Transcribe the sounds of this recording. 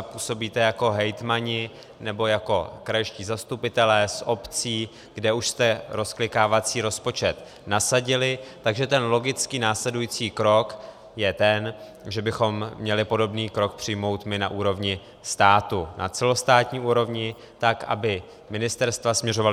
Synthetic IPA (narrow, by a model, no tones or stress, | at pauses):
puːso̞biːt̪ɛjako̞ɦɛjt̪maɲɪ | nɛbo̞jako̞̰kɾajʃciːzast̪upɪt̪ɛlɛːsʔo̞pt͡siː | ɡ̥dɛuʃst̪ɛɾo̞sklɪkaːvat͡siːɾo̞spo̞t͡ʃɛt̪ | nasaɟɪlɪt̪aɡʒɛt̪ɛnlo̞ɡɪt͡skiːnaːslɛdujiːt͡siːkɾo̞k | jɛt̪ɛn | ʒɛbɪxo̞mːɲɛlɪpo̞do̞bniːkɾo̞k̚pr̝̥ɪjmo̞wt̪mɪnaʔuːɾo̞vɲɪ | st̪aːt̪unʔa̰t͡sɛlo̞st̪aːt̪ɲiːʔuːɾo̞vɲɪ | t̪akʔa̰bɪ | mɪnɪst̪ɛɾst̪vasmɲɛro̞val